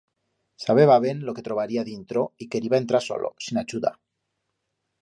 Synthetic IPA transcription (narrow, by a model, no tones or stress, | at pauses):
saβ̞e̞βaβ̞enlo̞ke̞t̪ɾo̞βaɾiaðint̪ɾo̞ike̞ɾiβaent̪ɾaɾso̞̰lʔo̰sinat͡ʃuða̰